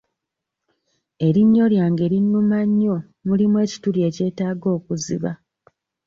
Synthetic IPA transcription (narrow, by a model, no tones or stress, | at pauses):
e̞ɾiɲːo̞ljaːŋɡe̞ɾinːumaɲːo̞ | mulimwe̞ːci̥tuɾje̞ce̞ːtaːɡo̞ːkuzḭβa